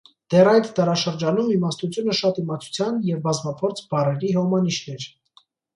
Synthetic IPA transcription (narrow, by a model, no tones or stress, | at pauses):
d̪̥ɛrɑjt̪d̪ɑɾɑʃəɾd͡ʒɑnumimɑst̪ut͡sʰjunəʃɑt̪imɑt͡sʰu̥t͡sʰjɑnjɛvbɑzmɑpʰɔɾt͡sʰb̥ɑrɛɾiɦɔmɑniʃnɛɾ